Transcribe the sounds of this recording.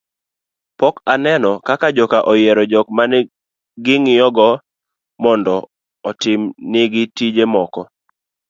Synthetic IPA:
pɔkanɛnɔkakad͡ʒɔkaʔɔjeɾɔd͡ʒɔk̚manɛ | ɡɪŋɪjɔɡɔ | mɔndɔ | ɔtɪmnɪɡɪtid͡ʒemɔkɔ

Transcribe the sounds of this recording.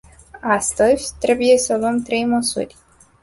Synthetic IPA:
ast̪əzʲt̪ɾe̞buje̞səluəmt̪ɾe̞jməsṵrʲ

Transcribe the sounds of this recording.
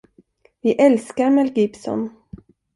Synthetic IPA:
vɪʔɛlskaɾmɛlɡɪpsɔ̰n

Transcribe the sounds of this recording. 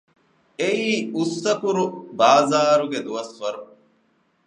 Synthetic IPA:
eiːusːɐkuɾubaːzaːɾuɡed̪uʋɐsʋɐɾu

